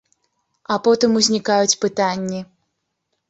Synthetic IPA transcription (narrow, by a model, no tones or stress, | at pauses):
ɐpɔt̪ɨmuzʲnʲikajut͡sʲpɨt̪anʲːi